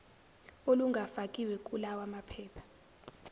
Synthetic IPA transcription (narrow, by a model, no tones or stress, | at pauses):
oluŋɡʱafakʼiwɛk̬ʼulawamapʰɛːpʰḁ